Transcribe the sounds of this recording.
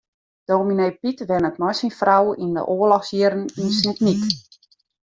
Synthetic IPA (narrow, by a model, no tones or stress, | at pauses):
d̥oːmineːpitʋɛnətmɔjsinfrawində̰ʔoəlɔxsjɪɾəninsnknik